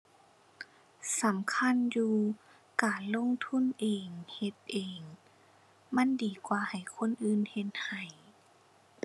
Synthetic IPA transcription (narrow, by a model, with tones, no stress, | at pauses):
sa˨˦mkʰa˧˥˨njuː˧ | kaː˨˩nlo˧˥˨ŋt̪ʰu˧˥˨nʔeː˨ŋhe˧p̪̚ʔeː˨˩ŋ | ma˧˥˨ndiː˨˩kwaː˧˩ha˨˩jkʰo˧˥˨nʔɯː˧˨nhe˧t̪̚ha˨˩j